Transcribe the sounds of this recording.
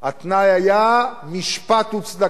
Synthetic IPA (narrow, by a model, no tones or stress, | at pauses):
at̪najajamiʃpat̪ut͡sd̪a